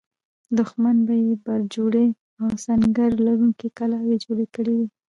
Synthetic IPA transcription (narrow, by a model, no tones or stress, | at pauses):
d̪ʊxmanbajebaɾd͡ʒoɽe | awsaŋɡaɾlaɾuŋkikalawed͡ʒoɽekəɽewi